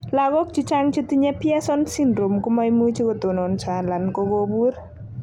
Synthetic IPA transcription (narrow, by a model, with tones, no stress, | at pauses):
laɡɔ˦k̚t͡ʃi˦t͡ʃaŋt͡ʃitiɲɛ˦pja˦sɔnsindɾo˨mkuma˦jmu˦t͡ʃi˦kɔ˨to˨nɔ˨nt͡ʃala˨nkoɡobuɾ